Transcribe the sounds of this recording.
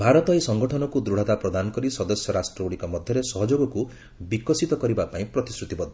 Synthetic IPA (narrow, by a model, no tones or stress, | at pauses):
bʱaɾɔt̪ɔesɔŋɡɔʈʰɔnɔkud̪ɾuɽ̤at̪apɾɔd̪anɔkɔɾisɔd̪ɔsjɔɾasʈɾɔuɽikɔmɔd̪ʱjɔɾesɔɦɔd͡ʒoɡɔku | bikɔsit̪ɔkɔɾibapaĩpɾɔt̪isɾut̪ibɔd̪ʱɔ